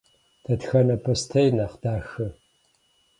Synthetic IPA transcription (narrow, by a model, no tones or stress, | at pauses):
tʰɐtxɐnɐpʰostʰejnaːqd̥aːxɨ